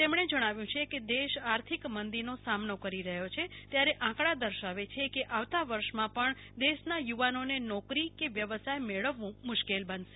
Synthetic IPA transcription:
t̪emɳ̃ed͡ʒəɽ̃aʋjũt͡ʃʰeked̪eʃaɾt̪ʰikmənd̪iɾnosamnokəɾiɾəɦjot͡ʃʰet̪jaɾeʔãkɭad̪əɾʃaʋet͡ʃʰekeʔaʋt̪aʋəɾʃmãpəɳ | d̪eʃnajuʋanonenɔkɾikeʋjəʋəsajmeɭəʋũmʊʃkelbənʃe̥

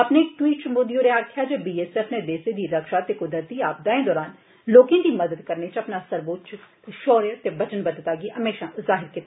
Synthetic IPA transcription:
əpneɪk̚ʈwiːʈ̚t͡ʃmoːd̪ijoːɾeaːɾkʰjaːd͡ʒeːbiːeːsɛːfʰned̪eːsed̪iːɾəkʃaːt̪eːkʊd̪əɾt̪iːaːb̚d̪aːẽːd̪ɔːɾaːn | loːkẽːd̪iːməd̪əd̪kəɾnet͡ʃəpnaːsəɾboːt̪t͡ʃ | ʃɔːɾjət̪eːbət͡ʃənbəd̪ət̪aːɡiɦəmeːʃãːzaːɦɪɾkɪt̪ːa

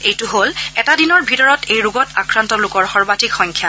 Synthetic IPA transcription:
ejtʊɦolɛtadinɔɹbʱitɔɹɔtejɹuɡɔtakɹantɔlʊkɔɹxɔɹbatikxɔŋkʰja

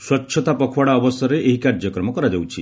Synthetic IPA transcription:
swɔtːʃʰɔt̪apɔkʰwaɽaɔbɔsɔɾeʔeɦikaɾd͡ʒjɔkɾɔmɔkɔɾad͡ʒawt͡ʃʰi

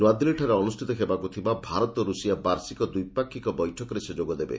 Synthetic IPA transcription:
nwad̪leʈʰaɾeɔnusʈʰit̪ɔɦebakut̪ʰibabʱaɾɔt̪ɔɾusijabaɾsikɔd̪ujpakʰːikɔbɔjʈʰɔkɔɾesed͡ʒoɡɔd̪ebḛ

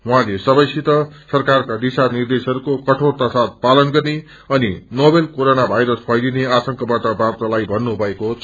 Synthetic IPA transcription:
wuɦãlesʌbʌjsit̪ʌsʌrkarkad̪isanird̪esɦʌɾukokʌʈʰort̪asat̪̚palʌnɡʌrne | ʌninobelkoɾonabʱajɾʌspʰʌjlineat̪ʌŋkʌbaʈʌbabt̪alajbʱʌnːubʱʌekot͡sʰ

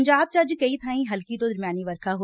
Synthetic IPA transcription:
ɲd͡ʒaːb̚t͡ʃɐd͡ʒkɐit̪ʰaːĩɦɐlkit̪od̪ɐɾmjaːniʋəɾkʰaɦo

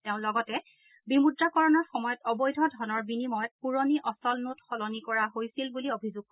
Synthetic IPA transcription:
teʊ̃lɔɡɔtɛ | bimudɹakɔɹɔnɔɹxɔmɔjɔtɔbɔjdʱɔdʱɔnɔɹbinimɔjɔt̚puɹoniʔɔsɔlnutxɔlɔnikɔɹaɦojsilbuliobʱizuɡ̚k

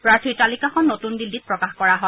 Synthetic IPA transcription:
pɹaɹtʰitalikaxɔnːotundildit̚pɹɔkaxkɔɹaɦɔ

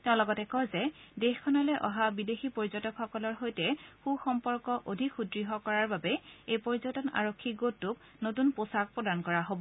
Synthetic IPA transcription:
tɛʊ̃lɔɡɔtɛkɔzɛdexkʰɔnalɛʔɔɦabidexipɔɹizɔtɔkxɔkɔlɔɹɦojtɛxuxɔmpɔɹkɔʔodʱikxudɹiɦɔkɔɹaɹbabɛejpɔɹizɔtɔna̰ɹokʰːiɡotːʊk | notunposak̚pɹɔdankɔɹaɦobɔ

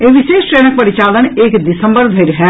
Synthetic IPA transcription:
eʋiʃeːsʈɾenək̚pəɾit͡ʃaləneːkd̪isəmbəɾd̪ʱeɾɦɛ

